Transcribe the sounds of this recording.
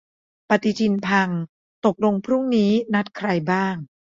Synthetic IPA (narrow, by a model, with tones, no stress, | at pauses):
pa˨˧t̪i˧t̪ʰi˧npʰa˧ŋ | t̪o˨˩k̚lo˧ŋpʰɾu˥˩ŋniː˦˥na˦˥t̪̚kʰɾa˧jbaː˥˩ŋ